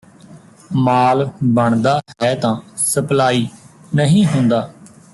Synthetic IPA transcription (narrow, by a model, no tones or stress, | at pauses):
maːlbəɳd̪aːɦɛːt̪ãːsəplaːiː | nəɦĩːɦʊ̃nd̪aː